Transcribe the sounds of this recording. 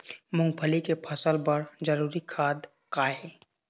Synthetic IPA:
mʊ̃ŋɡ̚pʰəlikepʰəsəlpɐɾd͡ʒəɾuːɾikʰaːd̪ | kaːeː

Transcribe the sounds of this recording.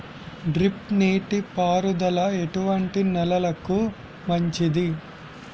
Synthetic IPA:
ɖɾip̚neːʈipaːɾud̪ɐlɐeʈuʋɐɳʈinɛlɐlɐku | mɐɲt͡ʃid̪i

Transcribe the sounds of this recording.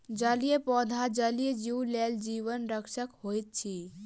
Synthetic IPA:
d͡ʒalijepɔːd̪ʱad͡ʒəlijed͡ʒiwleːld͡ʒiːʋənɾəkʃəkhoːit̪̚t͡ʃʰi

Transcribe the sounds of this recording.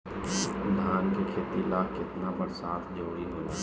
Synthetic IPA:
d̪ʱaːnkekʰeːt̪ilaːkɪt̪nabəɾsaːt̪ʰd͡ʒoːɽiɦoːlaː

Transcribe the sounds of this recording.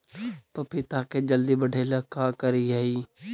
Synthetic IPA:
t̪oːpʰɪɾt̪aːked͡ʒəld̪ibəɖʱeːləkaːkəɾiɦaiː

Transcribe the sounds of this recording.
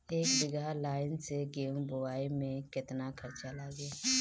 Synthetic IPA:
eːkd͡ʒɪɡaɦlaːɪnseɡeːmbʊwaːimẽkɪt̪nakʰɐɾt͡ʃalaːɡa

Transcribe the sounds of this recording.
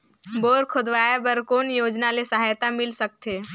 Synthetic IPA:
boːɾkʰod̪ʋaːjabəɾkoːnjoːd͡ʒnalesəɦajt̪amɪlsək̚t̪eː

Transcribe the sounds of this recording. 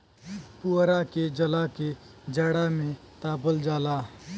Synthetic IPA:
puɾaked͡ʒəlake | d͡ʒəːɽamẽ | t̪aːpəld͡ʒaːlaː

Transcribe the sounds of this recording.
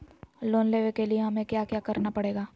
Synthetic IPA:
loːnleːʋekelieɦɐmẽkjaːkjaːkɐɾnapɐɽeːɡaː

